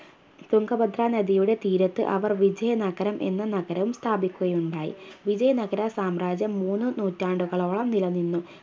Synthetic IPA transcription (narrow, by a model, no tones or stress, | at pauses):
t̪uŋɡɐbɐd̪raːnɐd̪ijuɽe̞t̪iːɾɐt̪ːɨ̰ʔɐʋɐrʋid͡ʑɐjɐnɐɡɐɾɐmʔe̞̰nːɐnɐɡɐɾɐʋumst̪ʰaːbikʲːuɣɐjuɳɖaːjḭʋid͡ʑɐjɐnɐɡɐɾasaːmraːd͡ʑjɐmːuːnːɨnuːtːaːɳɖuɣɐɭo̞ːɭɐmnilɐnːinːu